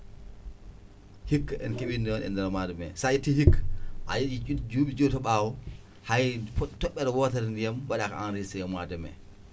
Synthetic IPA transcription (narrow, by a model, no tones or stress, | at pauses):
hikːɛ̰nkeɓindɛwɔnɛ̰ndɛɾɔmadɛmɛ̰sajtihikːʔa̰jed͡ʒid͡ʒd͡ʒuːɓid͡ʒotɔɓawɔ | hajpɔtːɔɓːɛɾɔwɔtaɾindijambaɗakaanɾisɛjamadɛmɛ̰